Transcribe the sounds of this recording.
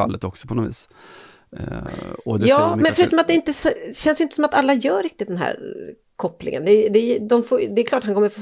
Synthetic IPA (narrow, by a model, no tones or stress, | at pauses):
a̰lːət̪ɔksɔ̥pʰɔnɔvḭːs | ɔd̪ɛjɑːmɛnfœɾʉ̟t̪ɔmat̪d̪ɛɪnt̪əsɛɕɛnsjʏɪnt̪əsɔmat̪alːajœːɾɪk̚t̪ɪt̪̚d̪ɛnɦæ̰ːɾ | kʰɔpːlɪ̰ŋə̰nd̪ɛd̪ɛjd̪ɔmfoːd̪ɛɛklɑːʈːhaŋkɔmːəɾfoː